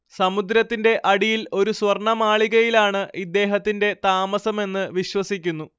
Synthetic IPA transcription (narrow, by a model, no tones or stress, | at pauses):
sɐmud̪ɾɐt̪ːinde̞ʔɐɽijilo̞ɾuswɐrɳɐmaːɭiɣɐjilaːɳɨʔid̪ːe̞ːɦɐt̪ːinde̞t̪aːmɐsɐme̞nːɨʋiɕwɐsikʲːunːu